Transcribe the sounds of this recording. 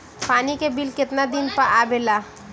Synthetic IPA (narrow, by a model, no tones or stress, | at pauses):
paːnikebɪlkɪt̪nad̪ɪnpɐʔaːbelaː